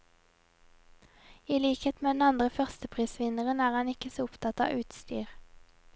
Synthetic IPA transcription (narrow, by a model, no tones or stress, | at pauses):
iːliːkheːt̪meːd̪nɑnd̪ʁəfœʁst̪əpʰʁiːsʋɪnəʁənæːʁhɑnɪkəsoːʊpt̪ʰɑt̪ɑ̰ːʔʉːt̪st̪y̰ːʁ